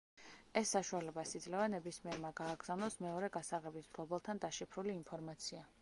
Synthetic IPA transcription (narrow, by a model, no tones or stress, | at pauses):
ɛsːaʃualɛbasid̪zlɛvanɛbismiɛɾmaɡaːɡz̥anɔsmɛɔɾɛɡasaʁɛbisd̪ɡˠɔbɛlˠt̪ʰand̪aʃipʰɾuliːnpʰɔɾmat̪sʰia